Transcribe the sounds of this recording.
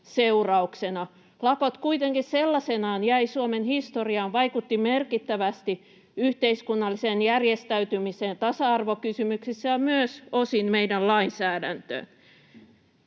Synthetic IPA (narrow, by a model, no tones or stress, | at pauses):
seurɑuksenɑ | lɑkot̪kuit̪eŋkisselːɑsenɑːnjæisuomenhist̪oriɑːnʋɑikut̪ːimerkit̪ːæʋæst̪i | yht̪eiskunːɑlːiseːnjærjest̪æyt̪ymiseːnt̪ɑsɑɑrʋokysymyksisːæjɑmyøsosinmeidællɑinsæːdænt̪ø̰ːn